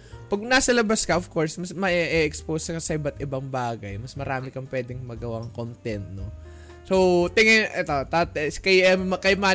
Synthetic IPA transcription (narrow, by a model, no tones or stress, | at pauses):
pɐɡnasɐlɐbɐskɐʔov̥ko̞ɹsmɐsmɐʔɛʔɛʔɛkspoːskɐsɐʔɪbɐt̪ʔɪbɐŋbaːɡɐjmɐsmɐɾaːmɪkɐŋpwɛːd̪ɪŋmɐɡɐwaŋkont̪ɛnt̪̚no | sowt̪ɪŋɛʔɛt̪ot̪at̪kɐjɛmɐkɐjmaː